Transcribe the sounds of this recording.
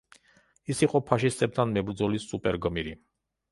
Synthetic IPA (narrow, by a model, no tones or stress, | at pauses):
isiqʼɔpʰaʃist̪ʼɛp̚t̪ʰanmɛbɾd̪zɔlisupʼɛɾɡmiɾi